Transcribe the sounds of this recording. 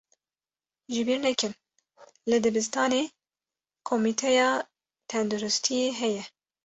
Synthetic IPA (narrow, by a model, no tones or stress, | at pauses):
ʒɪbiːɾnɛkɨn | lɨd̪ɨbɨst̪ɑːneː | kʰomit̪ʰɛjɑː | t̪ʰɛnd̪uɾʊst̪ʰijeɦɛjɛ